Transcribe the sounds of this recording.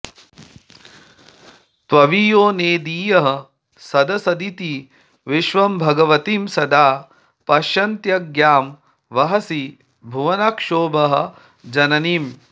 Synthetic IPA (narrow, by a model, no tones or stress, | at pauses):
t̪ʋɐʋiːjoːneːd̪iːjɐɦɐ̆ | sɐd̪ɐsɐd̪it̪i | ʋiʃʋɐmbʱɐɡɐʋɐt̪iːmsɐd̪aː | pɐʃɐnt̪jɐɡjaːm | ʋɐɦɐsi | bʱuʋɐnɐkʂoːbɐɦɐ̆ | d͡ʒɐnɐniːm